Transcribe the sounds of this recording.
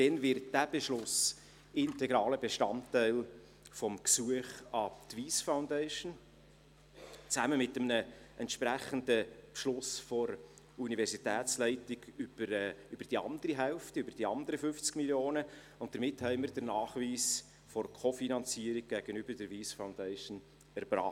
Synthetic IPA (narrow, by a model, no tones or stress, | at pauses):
d̥ɛnvɪɾt̚d̥æb̥eʃlʊs | ɪntɛɡɾɑːləbeʃtɑntːɛɪl | fɔmksuəχɑt̪viːsfaʊndɛɪʃn | t͡sæməmɪtəmnəʔɛntʃpɾæχəndəpʃlʊsfɔɾ | univɛɾsitɛːt͡slɛɪtɪɡybəɾʏbəɾd̥iɑ̰nd̪əɾiɦɛlftəøbəɾd̥iɑnd̪əɾəfʏft͡skmiljoːnə | ʊntd̥̪əɾmɪthɛɪməɾd̥ənɑːχviːs | fɔrkʰɔfinɑnt͡siəɾik̚ɡ̥æɡ̥ənyb̥əɾdəɾviːsfaʊndɛɪʃən | ɛɾbrɑ̰ː